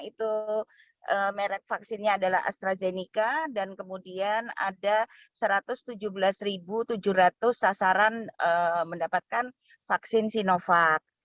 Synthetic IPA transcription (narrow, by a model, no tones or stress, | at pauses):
it̪u | ʔəmeɾɛk̚faksɪnɲaːdalaɦa̰st̪ɾazenikadankəmudiana̰da | səɾat̪ʊst̪ud͡ʒuhbəlasɾibut̪ud͡ʒuhɾat̪ʊsːasaɾanəməndapat̪̚kan | faksɪnsinofak̚